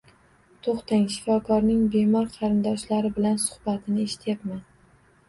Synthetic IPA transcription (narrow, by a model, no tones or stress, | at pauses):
t̪ʰoχt̪aŋʃɪ̥fɒkʰɒɾnɪŋbemɒɾqʰɑɾɪnd̪ɒʃlaɾɪbɪlansʊ̥χbat̪ʰɪnɪeʃɪ̥t̪ʰjapman